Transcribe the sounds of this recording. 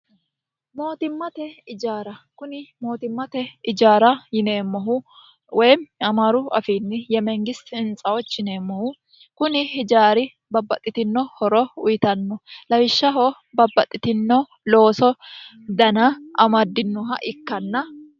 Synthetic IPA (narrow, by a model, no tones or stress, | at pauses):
mo̞ːt̪ɪmːɐt̪ɛɪd͡ʒaːɾɐkʊnɪmo̞ːt̪ɪmːɐt̪ɛɪd͡ʒaːɾɐjɪneːmːɔɦʊ | wɛjmɐmaɾʊɐ̰fiːnːɪjɛmɛŋɡɪsɪnt͡sʼɐwɔt͡ʃːɪne̞ːmːɔhʊ | kʊnɪhɪd͡ʒaːɾɪ | bɐbːɐt̪ʼːɪt̪ɪnːɔhɔɾɔʊjɪt̪ɐnːɔlɐwɪʃːɐɦɔ | bɐbːɐt̪ʼːɪt̪ɪnːɔ | lo̞ːsɔ | d̪ɐnɐʔɐmɐd̪ːɪnːɔɦɐ̰ʔɪkːɐnːɐ